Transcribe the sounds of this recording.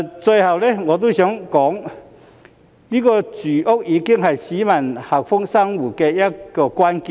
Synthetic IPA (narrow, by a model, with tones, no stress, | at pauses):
t͡swe˧jha˨˩wle˦ŋɔ˨t̪̬u˦ɕjɔ˨˦ŋkɔ˨˦ŋ | li˦˥kɔ˧t͡sy˨˩ʔo˦˥k̚ʔi˧ki˥ŋɦa˨˩jɕi˨˦ma˨˩nha˨˩k̚fo˦˥ŋsa˥˧ŋwu˨˩ke˧ja˦kɔ˧kwa˦nki˧˨